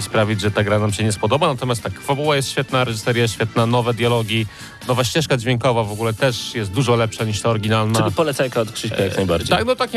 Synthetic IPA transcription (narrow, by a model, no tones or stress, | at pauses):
ispɾavʲid͡ʑʐɛt̪aɡɾanamɕɛɲɛspɔd̪ɔbanat̪ɔmjast̪akfabuwajɛst̪ɕfʲɛt̪naɾɛʐɨ̥sɛɾjaɕfʲjɛt̪nanɔvɛd̪jalɔɡʲji | nɔvaɕt͡ɕɛʂkad͡ʑvʲjɛŋkɔvavɔɡulɛt̪ɛʂjɛst̪̚d̪uʐɔlɛpʂaɲiʂt̪aɔɾɡʲinalnaɨlipɔlɛt̪sajkaɔt̪kʂɘkajaknajba̰ɾd͡ʑet̪aɡbɔt̪akʲi